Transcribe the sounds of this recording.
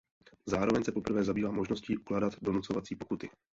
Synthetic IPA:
zaːɾo̞vɛɲsɛpo̞pr̩vɛːzabiːvaːmo̞ʒno̞sciːʔuklaːdat̪do̞nut͡so̞vat͡siːpo̞kut̪ɪ

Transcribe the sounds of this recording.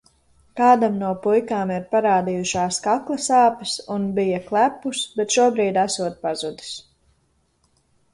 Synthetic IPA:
kaːd̪amnuɔpujkaːmiɾpaɾaːd̪ijuʃaːskaklˠɐsaːpɐsunbijɐklˠæpːusbɛt̪ʃuɔbɾiːd̪æsuɔt̪̚pazud̪i̥s

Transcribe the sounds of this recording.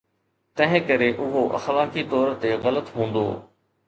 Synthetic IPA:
t̪ɐ̃ɦɪ̃kəɾeʔʊɦoʔɐ̰xlaːkit̪ɔːɾt̪eɣɐlət̪ɦũːnd̪o̰ː

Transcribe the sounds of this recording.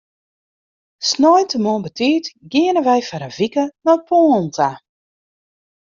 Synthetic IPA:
snɔjntəmɔənbətʰiːtɡɪənəʋɛjfaɾəvikənɔpʰɔːntʰa

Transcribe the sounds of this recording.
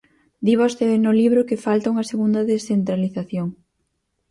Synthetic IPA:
d̪iβ̞ost̪eβenʊliβɾʊkɪfalt̪auŋɐseɣund̪ɐðesθent̪ɾaliθaθjoŋ

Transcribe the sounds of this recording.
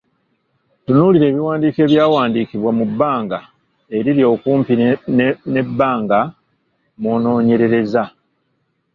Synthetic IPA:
tunuːliɾe̞ːβiwaːndiːke̞ːβjaːwaːndiːkiβwamubːaːŋɡa | e̞ɾiɾjo̞ːkuːmpi | ne̞bːaːŋɡa | moːno̞ːɲe̞ɾe̞ɾe̞za

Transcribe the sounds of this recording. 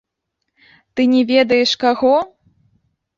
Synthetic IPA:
t̪ɨnʲɛvʲɛd̪ɐjɛʂkaɣɔ

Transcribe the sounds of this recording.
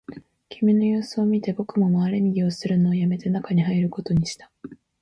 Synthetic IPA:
kʲʰimʲino̞joːsɨomʲit̪e̞bo̞kɯ̟mo̞maːɾe̞ŋʲiɡʲio̞sɨɾɯ̟no̞ːjame̞t̪e̞nakaɲ̟iɦaiɾɯ̟ko̞t̪o̞ɲ̟iɕi̥t̪ḁ

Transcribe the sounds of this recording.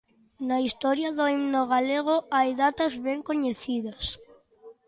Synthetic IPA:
naist̪ɔɾjɐðoimnoɣ̞aleɣ̞oajðat̪ɐzβeŋkoɲeθiðɐs

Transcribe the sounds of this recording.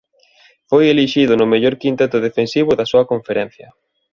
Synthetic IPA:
fojeliʃiðʊnʊmeʎoɾkint̪et̪ʊðefensiβ̞ʊðɐsuɐkoɱfeɾɛn̟θjɐ

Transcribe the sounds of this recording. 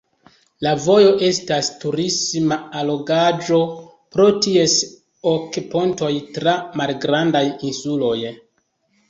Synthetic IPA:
lavo̞jo̞ʔe̞stastuɾismaalo̞ɡad͡ʒo̞ | pɾo̞tie̞s | okpo̞nto̞jtɾamalɡɾandajinsulo̞j

